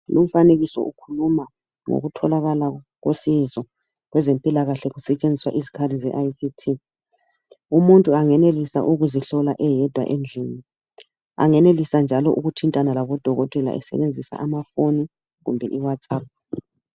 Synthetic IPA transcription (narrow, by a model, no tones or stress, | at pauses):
lom̩faneɣisɔ̰ʔukʰuluma | ŋo̰ɣutʰɔlaɣalaɔɣosizɔ | ɣwɛzempʼilaɣaɬɛɣusɛt͡ʃʼend͡zʱiswaʔizi̥kʰarizɛʔajsitʰi | umuntʼuaŋɛnelisa̰ʔuɣuziɬɔlaʔɛjɛd̥ʱwa̰ʔend͡ɮʱiːni | a̰ŋɛnelisand͡ʒʱalɔʔuɣutʰintʼanalaβɔd̥ʱɔɣɔtʼɛla̰ʔɛ̰sɛ̰βend͡zʱisa̰ʔamafoni | ɣumbʱɛʔiwat͡sʼaːp̚